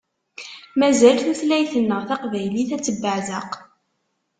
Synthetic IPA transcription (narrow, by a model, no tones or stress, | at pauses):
mæzælθuθlæjθənːəʁθɑqvæjliθæt͡sːəbːəʕðəq